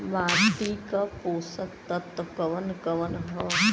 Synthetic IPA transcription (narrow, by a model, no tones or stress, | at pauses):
ʋaːt̪ikapoːsək̚t̪ɐt̪kɐʋənkɐʋənɦɐ